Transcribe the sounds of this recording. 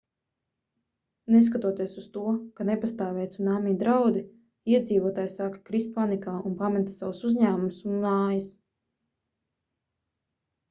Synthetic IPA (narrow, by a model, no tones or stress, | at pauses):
neskat̪uɔt̪iɛsust̪uɔkanepast̪aːvɛjt̪sunaːmiːd̪ɾawd̪i | iɛd̪ziːvuɔt̪aːjsaːkḁkɾist̪panikaːunpamɛt̪sawusuzʲɲaːmumsunːaːjis